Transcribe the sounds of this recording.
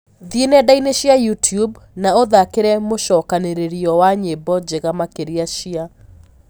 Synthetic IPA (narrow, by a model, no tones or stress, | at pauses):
ðienɛdaineʃiajutjubnaoðakeɾɛmoʃɔkaneɾeɾiɔwaɲebɔd͡ʒeɣamakeɾiaʃia